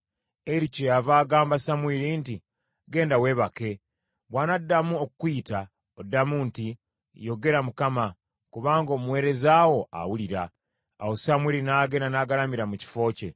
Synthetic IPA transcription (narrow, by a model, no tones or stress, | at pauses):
eɾicojavaːɡaːmbasamwiɾiːnti | ɡe̞ːndawe̞βake̞ | βwanadːamuokukwiːta | odːamunti | jo̞ɡe̞ɾamukama | kuβaːŋɡo̞ːmuwe̞ːɾe̞zaːwo̞a̰wuliɾa̰ː | wosamwiɾinaːɡe̞nanaːɡalamiɾamuci̥fo̞ːce̞